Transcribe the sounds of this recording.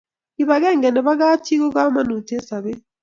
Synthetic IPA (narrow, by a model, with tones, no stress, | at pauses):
i˨βa˨ɣeː˦ŋɡe˨ne˨βa˦ɣaː˦ti˦ɣo˦kaː˦ma˦nu˨te˦sa˨βe˦